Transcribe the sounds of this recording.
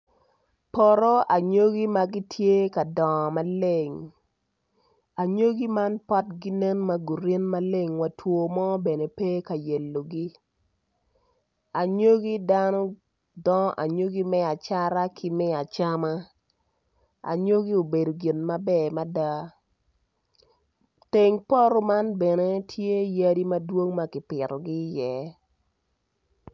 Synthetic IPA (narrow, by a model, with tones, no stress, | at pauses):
pɔ˨ɾɔ˦a˨ɲo˦ɡi˦ma˦ɡi˦tʰje˦ka˨dɔ˨ma˦le˦˨ŋ | a˨ɲo˦ɡi˦ma˦npɔ˦tɡi˦nɛ˦nma˦ɡu˨ɾe˦nma˦le˦ŋwa˨tʰwo˨mɔ˦be˨ne˨pe˦ka˨jɛ˨lːo˨ɡi˦ | a˨ɲo˦ɡi˦da˦nɔ˦ | dɔ˦ʔa˨ɲo˦ɡi˦mɛ˦a˨t͡ʃa˦ɾa˦kʰɪ˦mɪ˦a˨t͡ʃa˦ma˦ | a̰˨ɲo˦ɡi˦o˨be˨do˨ɡɪ˨nma˦bɛ˦˨ma˦da˦ | te˨ŋpɔ˦ɾo˦ma˦nbɛ˨ne˦tʰje˦ja˦di˦ma˦dwo˦ŋma˦kɪ˨pɪ˨ɾɔ˨ɡɪ˦jɛ˨